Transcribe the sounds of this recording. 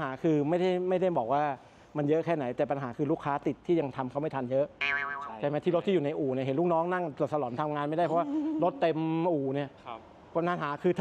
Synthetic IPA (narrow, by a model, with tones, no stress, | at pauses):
ɦaː˩˦kʰɯː˧ma˥˩jda˥˩jma˥˩jda˥˩jbɔː˨˩k̚waː˥˩ | ma˧njɤ˦˥ʔkʰɛː˥˩na˩˦jt̪ɛː˨˩pa˧nɦaː˩˦kʰɯː˧luː˥˩kʰːaː˦˥t̪i˨˩t̪ʰːiː˥˩ja˧ŋt̪ʰa˧mkʰa˦˥wma˥˩t̪ʰa˧njɤ˦˥ʔt͡ɕʰaː˧jma˦˥t̪iː˥˩ɾt̪ʰːi˥˩˨uː˨˩na˧jʔuː˨˩ni˧˩ɦe˩˦lu˥˩knɔː˦˥ŋna˥˩ŋo˨˩t̪̚sa˧lɔː˩˦nt̪ʰa˧mŋaː˧nma˥˩jda˥˩jpʰɔ˦˥wa˥˩ɾo˦˥t̪ːe˧mʔuː˨˩ni˥˩ɐ | pa˧naː˨˦ɦaː˩˦kʰɯː˧t̪ʰ